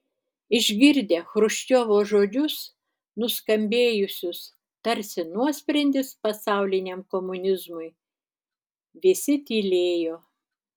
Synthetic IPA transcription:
ɪʒʲɡʲɪɾʲd̪ʲeːxɾʊʃʲt͡ʃʲoːʋoːʒoːd͡ʒʲʊs | nʊskɐmʲbʲeːjʊsʲʊs | t̪ɐɾʲsʲɪnuɔsʲpʲɾʲɛnʲd̪ʲɪspɐsɑˑʊlʲɪnʲemkoːmʊnʲɪzmʊɪ | ʋʲɪsʲɪt̪ʲiːlʲeːjoː

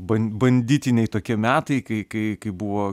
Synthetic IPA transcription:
bɐnbɐnʲd̪ʲiːt̪ʲɪnʲɛɪt̪oːkʲiɛmʲæːt̪ɐɪkɐɪkɐɪkɐɪbuʋoː

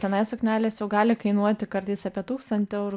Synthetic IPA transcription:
t̪ʲɛnɐɪsoknʲæːlʲeːsjɛʊɡɑːlʲɪkɐɪnuɔt̪ʲɪkɐɾt̪ɐɪsɑːpʲiɛt̪uːkst̪ɐnʲt̪ʲɪɛʊɾ

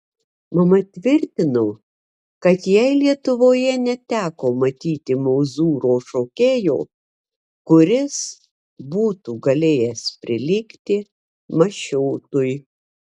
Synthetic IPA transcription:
mɐmɐt̪ʲʋʲɪɾʲt̪ʲɪnoː | kɐt̪jɛɪlʲiɛt̪ʊʋoːjɛnʲɛt̪ʲæːkoːmɐt̪ʲiːt̪ʲɪmoːzuːɾoːʃoːkʲeːjoː | kʊɾʲɪs | buːt̪uːɡɐlʲeːjɛspʲɾʲɪlʲikt̪ʲɪ | mɐʃʲɛːt̪ʊj

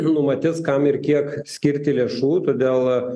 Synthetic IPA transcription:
nʊmɐt̪ʲɪskɐmɪrkʲiɛksʲkʲɪɾʲt̪ʲɪlʲeːʃuːt̪oːd̪ʲeːlˠ

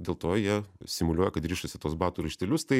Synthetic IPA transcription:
d̪ʲeːlˠt̪oːjiɛsʲɪmʊlʲuɔjɛkɐt̪ɾʲiːʃɐsʲɪt̪uɔsbɑːt̪uɾɐʃʲt̪ʲɛlʲʊst̪ɐɪ

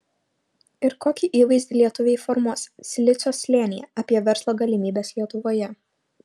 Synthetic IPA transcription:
ɪɾkoːkʲiʔiːʋɐɪzʲd̪ʲɪlʲiɛt̪ʊʋʲɛɪfɔɾmuɔssʲlʲɪt̪sʲoːsʲlʲeːnʲɪjɛ̰ɐpʲiɛʋʲɛɾslˠoːɡɐlʲɪmʲiːbʲeːslʲiɛt̪ʊʋoːjɛ

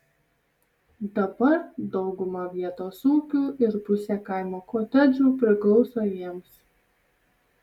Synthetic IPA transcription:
d̪ɐbɐɾd̪ɒʊɡʊmɐʋʲiɛt̪oːsuːkʲuːɪɾpʊsʲeːkɐˑɪmoːkoːt̪ʲɛd͡ʒʲuːpʲɾʲɪklˠɒʊsoːjiɛms

